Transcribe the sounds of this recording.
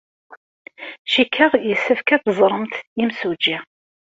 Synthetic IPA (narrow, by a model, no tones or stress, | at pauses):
ʃikʰːəʁjəsəfkæt̪zˤɾˤəmt̪imsud͡ʒi